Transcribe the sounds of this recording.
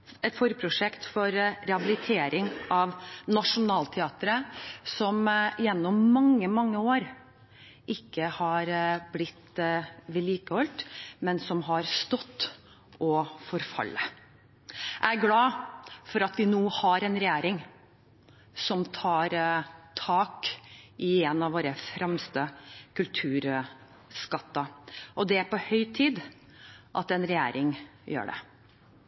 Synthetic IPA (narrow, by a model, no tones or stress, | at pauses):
ɛt̪fɔɾjəpʰɾʊʂɛkt̪fɔɾɾɛhɑbɪlɪt̪ʰeːɾɪŋɑʋnɑʂʊnɑːlt̪ʰɛɑːt̪əɾəsɔmɪjɛnːɔmːɑŋːəmɑŋːəoːɾ | ʔɪkːəhɑɾblɪt̪ːʋɪliːkəhɔlt̪mɛnsɔmɦɑɾst̪ɔt̪ː | ɔfɔɾfɑ̰lːə | ʔæɡlɑːfɔɾɑt̪ʋɪnuːhɑɾɛnɾɛjæːɾɪŋ | sɔmt̪ʰɑːɾt̪ʰɑːkʔɪeːnɑʋoːɾəfɾʔɛmst̪əkʰʉlt̪ʰʉːɾ | skɑt̪ːɑʔɔd̪ɛæɾpɔhœʏt̪ʰiːd̪ | ʔɑt̪ɛnɾɛjæ̰ːɾʔɪŋjø̰ːɖɛ̰